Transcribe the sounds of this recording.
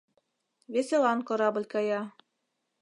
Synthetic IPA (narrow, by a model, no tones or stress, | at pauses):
vʲesʲelˠɑnkɤ̆ɾɑbɤ̆lʲkɑjɑ